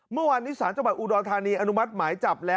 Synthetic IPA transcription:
mɯ˥˩ɐwaː˧nːiː˦˥saː˩˦nt͡ɕa˧wa˨˩t̪̚ʔuː˧dɔː˧t̪ʰaː˧niː˧ʔa˧nu˦˥ma˦˥t̪̚maː˩˦jt͡ɕa˨˩p̚lɛː˦

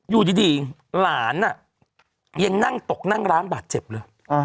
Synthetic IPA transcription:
juː˨˩diː˧ntiː˧laː˩˦nʔa˨˩ | ja˧ŋna˥˩ŋt̪o˨˩k̚na˥˩ŋɾaː˦˥nbaː˨˩t̪̚t͡ɕe˨˩p̚lɤː˧j

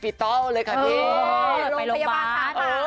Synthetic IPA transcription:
pi˨˩t̪ɔ˦˥lɤː˧jkʰa˥˩i˧˦˥lo˧˨o˧ja˧aa˦˥˧

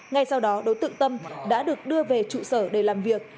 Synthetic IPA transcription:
ŋa˧jsa˧wɗɔ˨˦ɗo˨˦jt̪ɨ̰˧˨ŋt̪ə˧mɗa̰ː˧˥ɗɨ˨˩ək̚ɗɨ˧əve˨˩t͡ɕṵ˧˨səː˧˩ɗe˧˩laː˨˩mvi˨˩ək̚

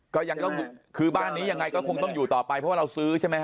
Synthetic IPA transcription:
kɔː˥˩ja˧ŋt̪ɔ˥˩ŋkʰɯː˧baː˥˩nːiː˦˥ja˧ŋːa˧jkɔː˥˩kʰo˧ŋt̪ɔ˥˩ŋjuː˨˩t̪ɔː˨˩pa˧jpʰɔ˦˥waː˥˩ɾa˧wsɯː˦˥t͡ɕʰa˥˩ma˦˥

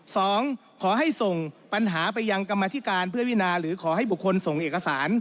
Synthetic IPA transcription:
sɔː˨˩˦ŋ | kʰɔː˩˦ɦa˥˩jso˨˩ŋpa˧nɦaː˩˦pa˧jːa˧ŋka˧mːaː˧t̪ʰi˦˥˩kaː˧npʰɯ˥˩ɐwi˥˨naː˧ɾɯː˩˦kʰɔː˩˦ɦa˥˩jbu˨˩kʰːo˧nso˨˩ŋʔeː˨˩kːa˧saː˩˦n

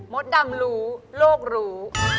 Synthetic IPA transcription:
mo˨˦˥t̪̚da˧ŋɾuː˦˥loː˥˩k̚ɾuː˦˥

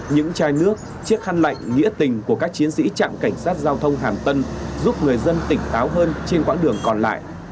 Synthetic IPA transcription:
ɲɨ̰˧˥ŋt͡ɕaː˧jnɨ˦˥ək̚ | t͡ɕi˦˥ək̚ha˧nla̰˧˨jŋ̟ŋḭ˧˥ət̪ï˨˩ŋ̟ku˧˩əkaː˦˥k̚t͡ɕi˨˦ənsḭ˧˥t͡ɕa̰ː˧˨mka˧˩jŋ̟saː˦˥t̚zaː˧wt̪ʰə˧wŋ͡mɦaː˨˩mt̪ə˧nzu˦˥p̚ŋɨ˨˩əjzə˧nt̪ï˧˩ŋ̟t̪aː˨˦wɦəː˧nt͡ɕe˧nkwa̰ː˧˥ɗɨ˨˩əŋkɔ˨˩nla̰ː˧˨jʔ

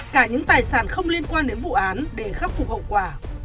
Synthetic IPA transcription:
kaː˧˩ɲɨ̰˧˥ŋt̪aː˨˩jsaː˧˩nxə˧wŋ͡mli˧ənkwaː˧nɗe˨˦nvṵ˧˨ʔaː˨˦nɗe˧˩xa˦˥p̚fʊ˨˩k͡p̚hə̰˧˨wkwaː˧˩

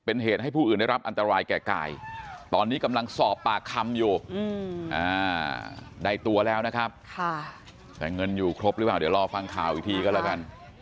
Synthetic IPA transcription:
pe˧nɦeː˨˩t̪̚a˥˩jpʰuː˥˩ʔɯː˨˩nda˥˩jɾa˦˥p̚ʔa˧nt̪a˧ɾaː˧jkɛː˨˩ka̰ː˨˩jt̪ɔː˧nːiː˦˥ka˧mla˧ŋsɔː˨˩pːaː˨˩kʰa˧mjuː˨˩˧ʔa̰ː˧˩ | da˧˩jt̪u˧ɐlɛː˦˥wna˦˥kʰa˦˥p̚kʰa˥˩ | t̪ɛː˨˩ŋɤ˧njuː˨˩kʰɾo˦˥p̚ɾɯ˦˥paː˨˩wdi˩˦wɾɔː˧fa˧ŋkʰaː˨˩wiː˧˩t̪ʰiː˧kɔː˥˩lɛː˧˩ka˧n

